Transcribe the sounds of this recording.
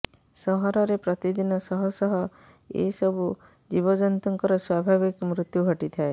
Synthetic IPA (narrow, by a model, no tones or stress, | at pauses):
sɔɦɔɾɔɾepɾɔt̪id̪inɔsɔɦɔsɔɦɔ | ḛsɔbʱu | d͡ʒibɔd͡ʒɔnt̪ɔŋkɔɾɔswabʱaβikmɾut̪jubʱɔʈit̪ʰae